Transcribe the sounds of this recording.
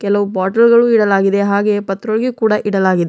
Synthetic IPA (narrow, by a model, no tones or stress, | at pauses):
kɛlɐʋubaːʈɐlɡɐɭuiɽɐlaːɡid̪eɦaːɡe̞pɐt̪ɾoɭɡekuːɽɐʔiɽɐlaːɡid̪e